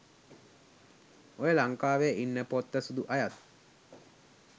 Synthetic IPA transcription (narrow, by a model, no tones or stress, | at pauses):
ojəlaŋkaːʋejinːəpot̪ːəsud̪uʔajat̪̚